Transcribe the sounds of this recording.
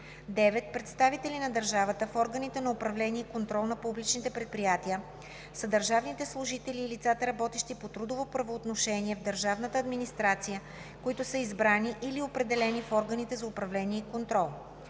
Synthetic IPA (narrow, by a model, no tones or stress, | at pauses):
d̪ɛvɛt̪̚pɾɛt̪st̪avit̪ɛlinɐd̪əɾʒavət̪əfɔɾɡənit̪ɛnɐopɾɐvlɛniɛikont̪ɾɔlˠnɐpublit͡ʃnit̪ɛpɾɛt̪̚pɾijat̪iə | səd̪əɾʒavnit̪ɛslˠʊʒit̪ɛliːlit̪sat̪əɾɐbɔt̪ɛʃt̪ipot̪ɾud̪ovopɾɐvoːt̪noʃɛniɛvd̪əɾʒavnət̪əːd̪minist̪ɾat̪sijə | koit̪ʊsəizbɾaniʔiliopɾɛd̪ɛlɛnifɔɾɡənit̪ɛzɐopɾɐvlɛniɛikont̪ɾɔlˠ